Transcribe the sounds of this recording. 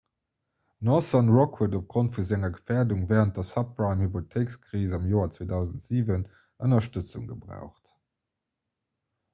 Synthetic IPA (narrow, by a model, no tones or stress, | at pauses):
nɔsɑnʁɔkhədop̚ɡ̥ʁontfuzæŋɐɡəfɛːɐduŋvɛːʁənt̚dɐsɑp̚ʁɑɪmhipotʰeɪkskʁiːzɑmjoːɐt͡sweːdɑʊzəntz̥iːvən | ənɐʃtət͡sṵŋɡəbʁa̰ʊχt